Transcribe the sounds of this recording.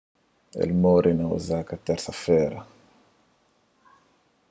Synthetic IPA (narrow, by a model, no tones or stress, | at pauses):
ḛlmoɾʔinaṵzakat̪ːɛɾsafɛːɾa